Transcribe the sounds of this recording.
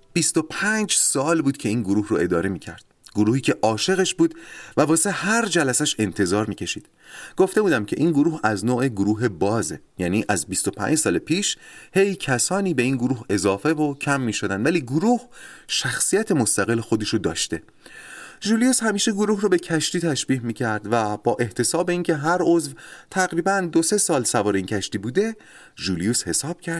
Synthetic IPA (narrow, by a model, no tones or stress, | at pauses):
b̥ist̪o̞pʰænd͡ʒsɒːlbuːd̪̥cʲʰe̞iːnɡoɾuːhroe̞d̪ɒːɾe̞miːcʰæ̰ɾd̪̥ | ɡ̥oɾuːhiːcʰe̞ʔɒːʃe̞ɣe̞ʃbuːd̪væbɒːsehæɾd͡ʒælæsæʃe̞nt̪ʰe̞zɒːɾmiːcʰe̞ʃiːd̪̥ | ɡ̥o̞ft̪e̞buːd̪æmcʲʰe̞̰ʔiːnɡoɾuːhæznoːeɡoɾuːɦe̞bɒːzḛjæːniːʔæzbist̪o̞pʰæ̰nd͡ʒsɒːlepʰiːʃhe̞jcʰæsɒːniːbe̞iːnɡoɾuːɦe̞zɒːfe̞vocʰæmːiːʃo̞d̪ænd̪væliːɡoɾuːhʃæxsijæt̪ʰe̞mo̞st̪æɣe̞lːexo̞d̪e̞ʃod̪ɒ̰ːʃt̪e̞ | ʒuːlijushæmiːʃe̞ɡoɾuːɦrobe̞cʰæʃt̪iːt̪ʰæʃbiːhmiːcʰæɾd̪væb̥ɒːʔe̞ht̪ʰe̞sɒːbeiːncʰe̞ɦæɾozvt̪ʰæɣɾiːbænd̪o̞se̞sɒːlsævɒːɾeiːncʲʰæʃt̪iːbuːd̪e̞ | ʒuːlijushe̞sɒːb̥̚cʰæɾd̪̥